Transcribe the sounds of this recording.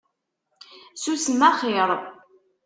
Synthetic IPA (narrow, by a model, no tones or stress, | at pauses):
susəmaχeɾˤ